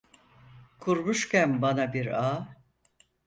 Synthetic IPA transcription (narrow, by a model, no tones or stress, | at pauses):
kʰuɾmuʃcʲænbanabiɾaː